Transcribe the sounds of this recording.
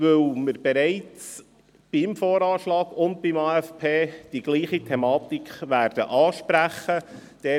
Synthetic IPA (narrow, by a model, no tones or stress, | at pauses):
ʋɵwməɾb̥eɾɛɪt͡s | b̥ɪmfoːɾɑːʃlɑːɡ̥ʊndbimɑːæfpʰeːd̥iɡ̥liːχitʰemɑːt̪ikʰχʋæːɾd̥ə̰ʔɑːʃpɾæχəd̥ɛ